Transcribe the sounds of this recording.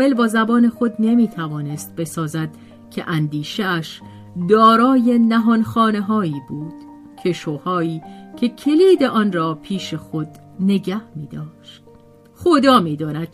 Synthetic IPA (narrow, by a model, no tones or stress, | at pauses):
elbɒːzæbɒːne̞xo̞d̪ne̞miːt̪ʰævɒːne̞st̪̚be̞sɒːzæd̪̥ | cʰe̞̰ʔænd̪iːʃeæʃ | d̪ɒːɾɒːje̞næɦɒnxɒːne̞ɦɒːiːbuːd̪̥ | cʰe̞ʃoːhɒːiːcʰe̞cʰe̞liːd̪e̞ʔɒnrɒːpʰiːʃe̞xod̪ | ne̞ɟæhmḭːd̪ɒːʃt̪̚ | χod̪ɒːmiːd̪ɒːnæd̪̥